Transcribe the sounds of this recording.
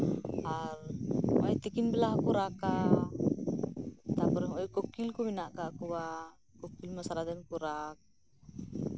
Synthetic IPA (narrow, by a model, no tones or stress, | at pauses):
arɔjt̪ikinbɛlaɦkuɾaka | t̪apɔɾɛɦɔjkɔkilkɔminaʔkakuwa | kɔkilmasaɾad̪ɛnkuɾak̚